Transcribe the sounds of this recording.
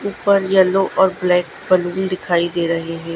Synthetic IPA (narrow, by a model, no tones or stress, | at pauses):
uːpəɾjɐloʔɔːɾblɛːkbɐluːnd̪ɪkʰaːid̪eːɾɐɦeɦɛ̃ː